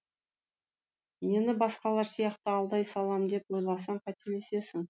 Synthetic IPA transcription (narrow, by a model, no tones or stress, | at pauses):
me̞nɪbɑsqɑlˠɑɾsijɑqt̪əɑlˠd̪ɑjsɑlˠɑmd̪e̞pwo̞jlˠɑs̬ɑɴqʰɑt̪ele̞se̞sɪŋ